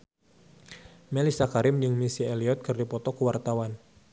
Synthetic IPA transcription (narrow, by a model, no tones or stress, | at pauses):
mɛlisakaɾɪmd͡ʒəŋmisieliɔt̪̚kɨrdipɔt̪ɔkuwart̪awan